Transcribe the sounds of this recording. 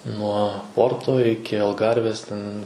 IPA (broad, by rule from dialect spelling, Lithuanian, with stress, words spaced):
nuɔ ˈpoːrtoː ˈɪkʲɪ ɐlˠˈɡɐrʲʋʲeːs ˈtʲɛn